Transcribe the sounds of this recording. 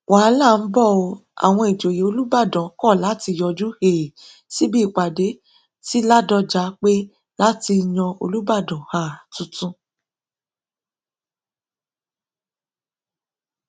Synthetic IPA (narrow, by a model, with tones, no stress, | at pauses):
wa˨˦la˦˨n̩˦bɔ˦˨o˧a̰˨w̃ɔ̃˧i˨d͡ʒo˨je˨˦o˧lu˦ba˦˨dɔ̃˨˦kɔ˦˨la˨˦ti˧jɔ˧d͡ʒu˦he˨ | si˦bi˦˨k͡pa˨de˨˦ | ti˦la˦dɔ˧d͡ʒa˨˦k͡pe˦ | la˦ti˧j̃ɔ̃˧o̰˧lu˦ba˦˨dɔ̃˨ha˨tũ˨˦tũ˦